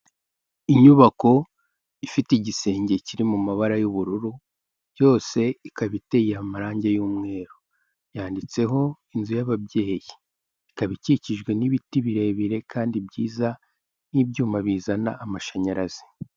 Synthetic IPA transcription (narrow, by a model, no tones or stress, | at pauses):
iɲuβako̞ | ifiteiɟise̞ːɲɟe̞ciɾimumaβaɾajuβuɾuɾu̥ | jo̞ːse̞ikaβite̞jiamaɾaːɲɟe̞juːmŋe̞ːɾo | jaːndit͡se̞ɦo̞inzujaβabɟe̞ːjiː | kaβiciciʒɡwe̞niβitiβiɾe̞βiɾe̞kaːndibɟiːza | nibɟuːmaβiːzana̰ːmaʃaɲaɾaz̥i̥